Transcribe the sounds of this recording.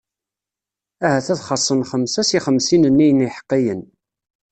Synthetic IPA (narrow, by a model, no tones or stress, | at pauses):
æhæθæθχɑsˤːənχəmsæsiχəmsinənːijəniħə̥qːijən